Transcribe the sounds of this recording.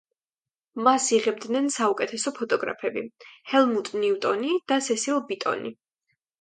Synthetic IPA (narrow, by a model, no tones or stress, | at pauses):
masiʁɛb̚d̪nɛnsaukʼɛt̪ʰɛsɔpʰɔt̪ʼɔɡɾa̰pʰɛbihɛlˠmut̪ʼniut̪ʼɔnid̪̥asɛsilˠbit̪ʼɔ̰nḭ